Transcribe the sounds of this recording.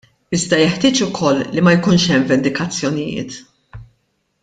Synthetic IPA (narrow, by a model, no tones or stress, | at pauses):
ɪzd̪ɐjɛħt̪ɪːt͡ʃʊkʰɔlːimɐjkuːnʃɛmvɛnd̪ɪkɐt͡sːjɔnɪjɪ̰ːt̪